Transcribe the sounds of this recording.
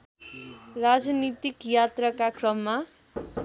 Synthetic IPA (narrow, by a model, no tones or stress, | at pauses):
rad͡znit̪ikjat̪rʌkakrʌmːa